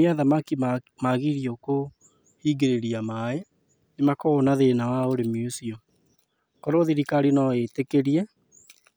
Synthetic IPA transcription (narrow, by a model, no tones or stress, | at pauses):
iaðamakimaɣiɾioko | hiːɡeɾeɾiamae | nemakɔːnaðenawaoɾemiosiɔ | kɔɾoðiɾikaɾinaetekeɾiɛ